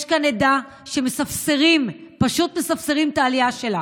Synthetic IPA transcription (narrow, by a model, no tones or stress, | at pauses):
ʃkaned̪a | ʃemesafseʁimpaʃut̪me̞safseʁimt̪aːliaʃe̞la